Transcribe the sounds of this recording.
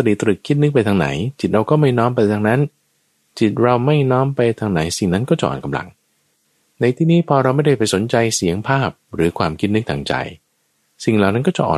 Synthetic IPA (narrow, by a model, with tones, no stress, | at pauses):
ɾiː˨˩t̪ɾɯ˨˩kʰːi˦˥t̪̚nɯ˦˥k̚pa˧jt̪ʰa˧ŋna̰˩˦jt͡ɕi˨˩t̪̚ɾa˧wkɔː˥˩ma˥˩jnɔː˦˥mpa˧jt̪ʰa˧ŋna˦˥n | t͡ɕi˨˩t̪̚ɾa˧wma˥˩jnɔː˦˥mpa˧jt̪ʰa˧ŋna˨˩˦jsi˨˩ŋna˦˥nkɔː˥˩t͡ɕa˨ʔɔ̰ː˨˩ka˧mla̰˧˩ŋ | na˧jt̪ʰiː˧˩niː˦˥pʰɔː˧ɾa˧wma˥˩jda˥˩jpa˧jso˨˩˦nt͡ɕa˧jsi˩˦əŋpʰaː˥˩p̚ɾɯː˩˦kʰwaː˧mkʰi˦˥t̪̚nɯ˦˥k̚t̪ʰa˧ŋt͡ɕa̰˧j | si˨˩ŋlaː˨˩wna˦˥nkɔː˥˩t͡ɕa̰˨˩ʔɔ̰ː˨˩